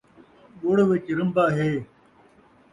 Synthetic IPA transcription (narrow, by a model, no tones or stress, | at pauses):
ɡoɽʋɪt͡ɕɾəmbaːɦeː